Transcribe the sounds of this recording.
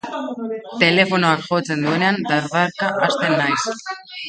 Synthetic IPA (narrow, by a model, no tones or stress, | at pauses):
t̪e̞le̞fo̞noakʝo̞t͡se̞nd̪ue̞ne̞and̪aɾðaɾkaʔast̪e̞nːajs